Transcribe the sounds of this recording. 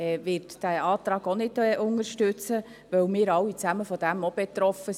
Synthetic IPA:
ɛʋɪːɾtd̥æɑːt̪ɾɑːɡ̥onɪtɛʔʊŋəɾʃtʉt͡sə | ʋœwmɪːɾɑwit͡sæməfɔd̥æmob̥ɛt̪ɾɔfə

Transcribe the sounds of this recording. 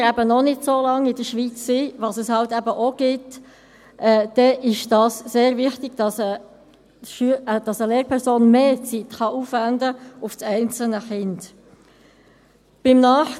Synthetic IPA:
ɾæbənɔnɪdsoːlɑŋɪdəʃʋit͡sːiʋɑsəshɑltæbəʔoɡ̥ɪt | ʔɛːd̪̥ɛʔɪʃd̥ɑːsseːɾvɪχtɪɡ̥d̥ɑsə | ʃyəd̥ɑsəleːɾpʰɛɾsoːnmeːt͡sitχɑʔufvændəʊftɛɪnt͡sl̩nəχɪnd | b̥ɪmnɑːχ

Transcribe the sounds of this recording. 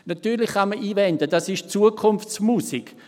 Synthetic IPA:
natyːlɪχχaməʔiːvɛndədɑsɪʃt͡suəkʰʊnft͡smusiɡ̥

